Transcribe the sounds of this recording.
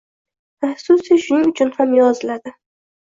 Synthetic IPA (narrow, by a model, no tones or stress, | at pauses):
ahsʊsiʃʊnɪŋʊt͡ʃʰʊnhamjɒzɪlad̪ɪ